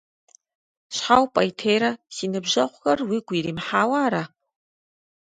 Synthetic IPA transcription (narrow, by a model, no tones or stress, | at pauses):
ɕħawpʼajtʰeːjɾɐsiːnɨbʒɐχʷxɐrwiːɡʷiːɾiːmħaːwaːɾa